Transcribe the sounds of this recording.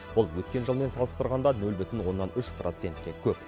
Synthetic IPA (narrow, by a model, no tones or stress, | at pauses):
b̥ʊlˠwɵt̪̚kʲe̞nʒəlˠme̞nsɑlˠəst̪əɾʁɑnd̪ɑnɵlbʏt̪ɪnwo̞nːɑnʏʃprot̪se̞nt̪kʲe̞kʲʰɵp